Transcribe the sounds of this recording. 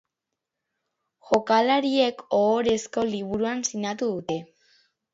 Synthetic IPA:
ʝo̞kalaɾie̞koːɾe̞sko̞liβuɾuansinat̪uðut̪e̞

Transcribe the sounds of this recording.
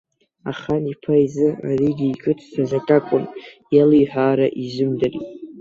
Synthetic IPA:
a̰χanipʰajzɨariɡʲiːkʼɨtʰsazakʼakʷʼʊnjalijħʷᶣaːɾaʔizɨmdarḭtʼ

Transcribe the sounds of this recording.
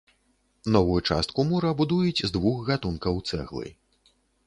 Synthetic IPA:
nɔvujut͡ʂa̰st̪̚kumuɾɐbud̪ujud͡zʲzd̪vuxɣat̪unkɐwt̪sɛ̰ɣlˠɨ̰

